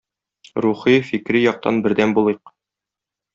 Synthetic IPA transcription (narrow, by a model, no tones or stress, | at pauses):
ɾuχifikɾijɒq̚t̪ɑ̰nbɘ̆ɾd̪ænbulˠɤq